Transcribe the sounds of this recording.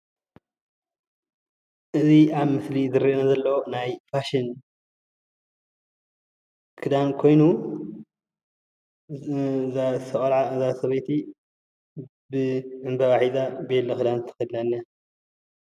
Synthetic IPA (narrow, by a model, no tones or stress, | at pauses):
ʔɨziaβmɨslizɨɾiʔnazɐlːɐwonajfaʃin | kʰɨd̪ankʰo̞jnu | sɐʔʼɐʕazasɐβɐjt̪ʰi | bɨʕɨmbɐβaħizabelɐkɨd̪ant̪ʰɐ̥xɨd̪nanːia